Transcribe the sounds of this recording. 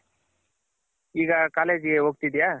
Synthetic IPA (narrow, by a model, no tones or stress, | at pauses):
iːɡɐkaːleːd͡ʒɡeɦoːɡ̚t̪id̪ijaː